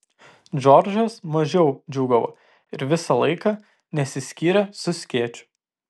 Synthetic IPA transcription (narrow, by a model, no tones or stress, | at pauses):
d͡ʒʲɔɾʲd͡ʒʲɐsmɐʒʲɛʊd͡ʒʲɛʊɡɐʋo | ɪɾʋʲɪsɐlˠɐ̰ɪkɑː | nʲɛtsʲɪsʲkʲiːɾʲɛsʊsʲkʲiɛt͡ʃʲʊ̥